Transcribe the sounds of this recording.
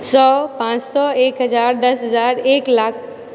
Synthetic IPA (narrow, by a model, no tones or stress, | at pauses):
sɔːpãːt͡ʃsɔeːkɦəzaːɾd̪əsɦəzaːɾeːklaːkʰ